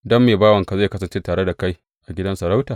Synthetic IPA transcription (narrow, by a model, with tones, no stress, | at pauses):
dɐ˦mːeː˨baː˦wɐ˨ŋka˨za˦˨jkɐ˦sɐ˨nt͡ʃe˦taː˨ɽe˦da˨ka˦j | ʔa˨ɡʲɪ˦dɐ˦nsɐ˨ɾa˦wtaː˨